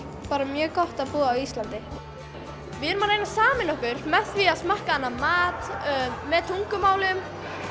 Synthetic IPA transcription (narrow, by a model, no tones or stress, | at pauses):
paːɾamjœːkɔht̪aðpuːɣaawist̪lant̪ɪ | vɪɪnmaːnejnasaːmɪnɔhkʏɾ̥mɛθviaðsmahkaanːamaːt̪ːmɛðt̪ʰuŋkʏmaːwlɪʏm